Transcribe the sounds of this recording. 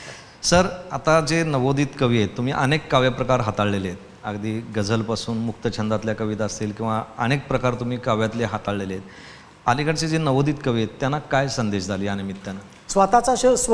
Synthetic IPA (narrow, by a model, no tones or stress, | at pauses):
səɾat̪ad͡zenəʋod̪iːt̪kəʋiet̪ːum̤iːʔənekːaʋjapɾəkaɾɦat̪aɭleleet̪ | a̰ɡd̪iːɡəd͡zəlpasuːnmuk̚t̪ət͡ɕʰənd̪at̪ljakəʋit̪aəst̪eːlkĩw̃ʋaənek̚pɾəkaɾt̪um̤iːkaʋjat̪leɦat̪aɭleleet̪ | a̰likəɽt͡sed͡zenəʋod̪iːt̪kəʋiet̪ːjanːakajsənd̪eɕd͡zʱaliːanemit̪ːjana | sʋat̪at͡saɕəs